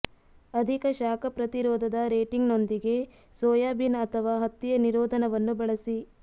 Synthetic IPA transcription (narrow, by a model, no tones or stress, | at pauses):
ɐd̪ʱikɐʃaːkʰɐpɾɐt̪iɾɔːd̪ʱɐd̪ɐɾeːʈiŋɡno̞nd̪iɡe̞ | sɔːjaːbinɐt̪ʰɐʋaːɦɐt̪ːijɐniɾɔːd̪ʱɐnɐʋɐnːubɐɭɐsi